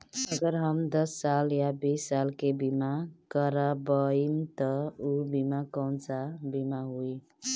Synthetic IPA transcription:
əɡəɾɦəmd̪ʌsːaljabisːalkebimakəɾabəimt̪ʌubimakəwnt͡sabimaɦui

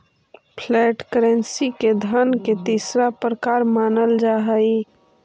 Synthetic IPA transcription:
pʰlɛːʈkəɾɛ̃nsiked̪ʱənket̪iːsɾapɾəkaːɾmaːnəld͡ʒaːɦəi

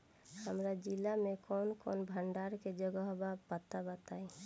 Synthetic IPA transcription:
həmɾad͡ʒilamekɔnkɔnbʱəɳɖaɾked͡ʒəɡəɦbapat̪abət̪ai

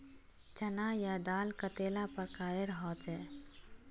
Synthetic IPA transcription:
t͡ʃɐnajad̪aːlkət̪eːlapəɾkaːɾeɾɦɔːt̪ɛː

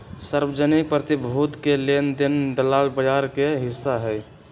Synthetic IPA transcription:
səɾbəd͡ʒənik̚pɾət̪ibʱud̪kelend̪end̪əlaːlbəjaɾkeɦɪsːaɦɛj

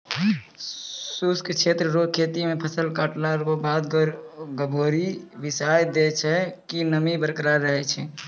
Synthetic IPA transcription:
suskkt͡ʃʰet̪ɾəɾokʰːet̪imepʰəsəlkaːʈlaɾkobad̪ɡəbʱoɾiʋisajd̪et͡ʃʰɛkinəmibəɾkɾaɾəɦɛt͡ʃʰɛ

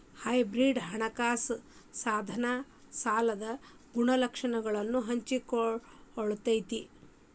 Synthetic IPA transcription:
hɐjbɾiɖɦɐɳɐkaːs | saːd̪ʱɐnɐ | saːlɐd̪ɐ | ɡuɳɐlɐkʂɐɳɐɡɐɭɐnːuɦɐɲt͡ʃikooɭut̪ɐjt̪i

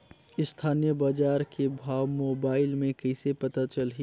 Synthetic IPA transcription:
ɪst̪ʰaːnijəbaːd͡ʒaːɾkebʱaːwmoːbaːɪlmẽkɐɪsepɐt̪at͡ʃɐlɦi

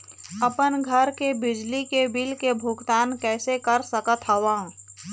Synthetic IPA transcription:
ɐpənɡʱəɾkebɪd͡ʒlikebɪlkebʱʊɡt̪aːnkɛːsekəɾsəkət̪ʰɦəʋã

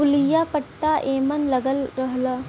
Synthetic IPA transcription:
ʊlijaːpəʈːaʔeːmənlɐɡəlɾəɦlaː

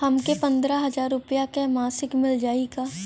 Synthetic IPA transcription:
hɐmkepɐ̃nd̪ɾaɦɐzaːɾːʊpjakemaːsɪkmɪld͡ʒaːiɡaː

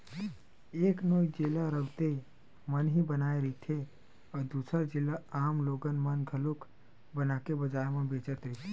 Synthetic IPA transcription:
eːknoːid͡ʒelaɾəwt̪ei | mənɦibənaːeɾit̪ʰe | ɔːɾd̪uːsəɾd͡ʒilːaaːmloːɡənmənɡʱəluk | bənakebəd͡ʒaemẽbeːt͡ʃət̪ɾɛit̪ʰe

